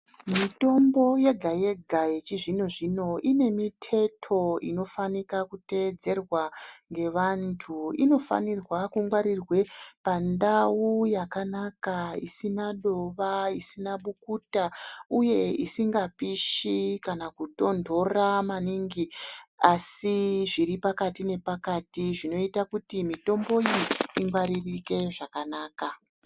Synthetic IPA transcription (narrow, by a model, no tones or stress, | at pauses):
mito̞mbo̞je̞ɡʱaje̞ɡʱajet͡ʃiʐino̞ʐino̞ʔine̞mitʰe̞tʰo̞ino̞fanikakute̞d͡ze̞rwaŋɡe̞ʋantʰuino̞fa̰nirwakuŋɡwaɾirwe̞pandawujakanakaisinaɗo̞ʋaisinaɓukutauje̞ḭsiŋɡapiʃikanakuto̞ndʱo̞ramaniŋɡiasiʐiɾipakatine̞pakatiʐino̞itakutimito̞mbo̞iːŋɡwaɾirike̞ʐakanaːka